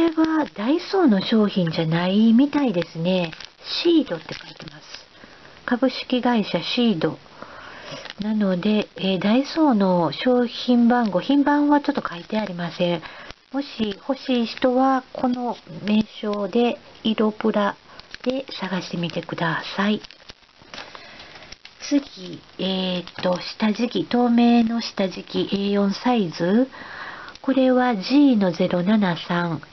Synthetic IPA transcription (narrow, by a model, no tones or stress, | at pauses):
oɾe̞βad̪aiso̞ːno̞ɕo̞ːçĩɲ̟d͡ʑanaimʲit̪aid̪e̞sɨne̞ɕiːd̪o̞t̪ːe̞kait̪e̞masɨ̥ | kabɯ̟ɕi̥kʲiɡaiɕaɕiːd̪o̞ | nano̞d̪e̞ːd̪aiso̞ːno̞ɕo̞ːçĩmbãŋɡo̞çĩmbãɰ̃βat͡ɕo̞t̪ːo̞kait̪e̞aɾʲimasẽ̞ɰmo̞ɕiho̞ɕiːɕi̥t̪o̞βakʰo̞no̞me̞ːɕo̞ːd̪e̞iɾo̞pɯ̟ɾad̪̥e̞saɡaɕi̥t̪e̞mʲit̪e̞kɯ̟d̪asai | t͡sɨɡʲieːt̪ːo̞ɕi̥t̪aʑikʲit̪o̞ːme̞ːno̞ɕi̥t̪aʑikʲiʔeːjõ̞ɰ̃saizɨ | ko̞ɾe̞βaʑiːno̞ze̞ɾo̞nanasãŋ